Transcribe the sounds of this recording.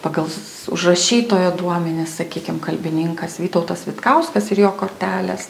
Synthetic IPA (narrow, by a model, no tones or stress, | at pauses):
pɑːɡɐlˠ | ʊ̰ʒrɐʃʲiːt̪oːjoːd̪uɔmʲɛnʲɪssɐkʲiːkʲɪmkɐlʲbʲɪnʲɪŋkɐsʋʲiːt̪ɔʊt̪ɐsʋʲɪt̪kɐʊskɐsɪɾjoːkoːrʲt̪ʲæːlʲeːs